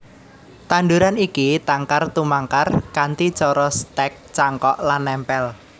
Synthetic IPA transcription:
t̪aɳɖuɾanikit̪aŋkart̪umaŋkarkant̪it͡ʃɔɾɔst̪ɛk̚t͡ʃaŋkɔʔlanːɛmpɛl

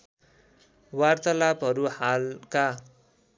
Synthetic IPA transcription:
wart̪ʌlabʌɾuhalka

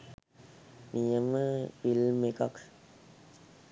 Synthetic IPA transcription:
nijəməpilmekak

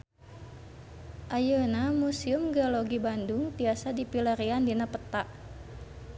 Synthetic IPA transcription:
ʔajənamusiumɡaloɡibandʊŋbiasadipiləɾiandinapət̪aʔ

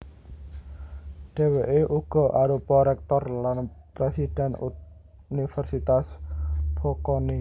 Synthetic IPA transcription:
ɖ̥e̤weʔeʔuɡ̥ɔ̤ʔaɾupɔɾɛk̚t̪ɔrlanpɾesid̥ɛ̤nṵt̪̚ | unifɛrsit̪asb̥ɔkɔni

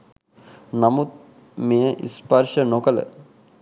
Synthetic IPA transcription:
namut̪̚ | mejəʔḭspɐɾʃənokələ̰

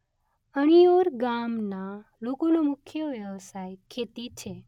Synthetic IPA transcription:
əɽ̃ijoɾɡamnalokonomʊkʰjəʋjeʋsajkʰet̪it͡ʃʰe

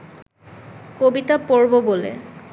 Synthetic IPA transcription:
kobit̪apoɹbobolḛ

